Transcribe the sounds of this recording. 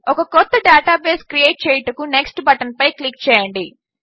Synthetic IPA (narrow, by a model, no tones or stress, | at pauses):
ɔkɐkɔt̪ːɐɖaːʈaːbeːskɾieːʈ̚t͡ʃeːjʈɐkune̞ksʈbɐʈɐnpɐjklikːt͡ʃɛːjɐɳɖi